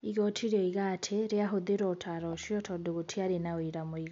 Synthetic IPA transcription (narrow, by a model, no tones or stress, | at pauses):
iɣɔtʰiɾɔiɣatʰeɾeaɦoðeɾɔtʰaɾɔʃjɔtʰɔdoɣotʰiaɾenaoiɾamoiɣ